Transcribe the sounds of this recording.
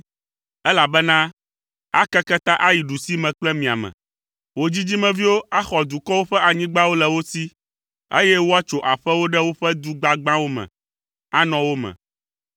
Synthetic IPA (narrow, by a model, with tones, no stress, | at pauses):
ɛ˦la˨bɛ˦nã˦ | a̰˦kɛ˦kɛ˦t̪ã˦ʔa˦ji˨ɖu˨si˦mɛ̃˨k͡plɛ˦mĩ˨a̰˨mɛ̰̃˨ | wo˦d͡ʑi˦d͡ʑi˦mɛ̃˨vi˦wo˦a˦xɔ˨d̪u˨kɔ˦wo˦ɸɛ˦ʔa˨ɲĩ˦ɡ͡ba˦wo˦lɛ˨wo˦si˦ | ḛ˦jɛ˦wo˦a˦t͡ʃo˨ʔa˨ɸɛ˦wo˦ɖɛ˦wo˦ɸɛ˦d̪u˦ɡ͡ba˦ɡ͡bã˦wo˦mɛ̰̃˨ | a˦nɔ̃˨wo˦mɛ̰̃˨